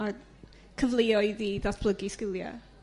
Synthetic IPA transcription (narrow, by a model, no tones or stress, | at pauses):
a | kʰəvlˠiɔjiðiðaθb̥lˠəɡiskɪlˠja̰